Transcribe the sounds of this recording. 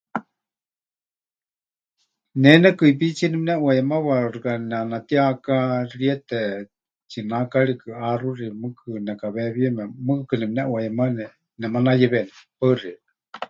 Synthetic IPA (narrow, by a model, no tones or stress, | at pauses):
nɛnɛkɨip̬it͡sʰinɛminɛʔwajɛmaβarɨkanɛanat̪iakariɛt̪ɛ | t͡ʃinakaɺikɨarurimɨkʰɨnɛkaβɛβiɛmɛmɨkɨkɨnɛminɛʔwajɛmanɛ | nɛmanajɛβɛnɛpəri